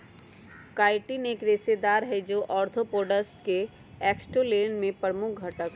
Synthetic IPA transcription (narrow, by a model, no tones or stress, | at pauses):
kaːɪʈineːkɾeːsed̪aːɾɦɛd͡ʒoːʔɔːɾt̪ʰopoːɖəsʈ̚ke | ɛːksʈoleːnmẽpɾəmʊk̚ʰɡʱɐʈək